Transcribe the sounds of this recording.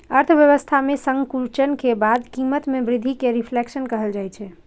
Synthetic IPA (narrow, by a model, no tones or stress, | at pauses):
əɾt̪ʰəʋjəʋəst̪ʰamesə̃ŋɡkult͡ʃənkebad̪kimət̪mebɾid̪ʱikeɾipʰleksənkəɦəld͡ʒajt͡ʃʰɛ